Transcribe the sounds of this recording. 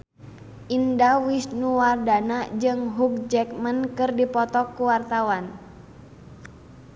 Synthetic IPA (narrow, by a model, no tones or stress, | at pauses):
ʔindawisnuwardanad͡ʒɨŋɦuk̚d͡ʒɛk̚mənkɨrdipɔt̪ɔkːuwart̪awan